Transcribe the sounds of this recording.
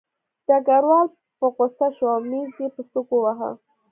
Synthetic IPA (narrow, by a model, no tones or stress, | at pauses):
d̪̥aɡaɾwɑl | pəqosaʃɑmizepəst̪ukowaɦa̰